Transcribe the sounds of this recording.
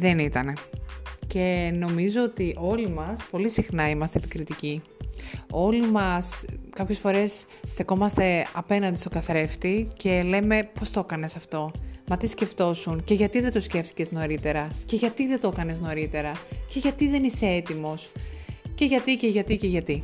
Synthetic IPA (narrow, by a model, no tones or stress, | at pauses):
ðe̞nit̪ɐne̞ce̞no̞mizoot̪iʔo̞limɐspo̞lisixnɐimɐst̪eːpikɾit̪ici | o̞limɐskɐpçe̞sfo̞ɾe̞sː | t̪eko̞mɐst̪e̞ɐpe̞nɐnd̪ist̪o̞kɐθɾe̞ft̪ice̞le̞me̞po̞st̪okɐne̞sɐft̪o̞mɐt̪isce̞ft̪o̞sunce̞ʝɐt̪iðed̪osce̞ft̪i̥ce̞zno̞ɾit̪e̞ɾɐce̞ʝɐt̪iðe̞t̪o̞kɐne̞zno̞ɾit̪e̞ɾɐce̞ʝɐt̪iðe̞nise̞et̪imo̞sce̞ʝɐt̪iceʝɐt̪iceʝɐt̪i